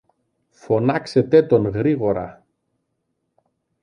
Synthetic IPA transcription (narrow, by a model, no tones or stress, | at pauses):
fo̞nɐkse̞t̪e̞t̪o̞nɣɾiɣo̞ɾɐ̰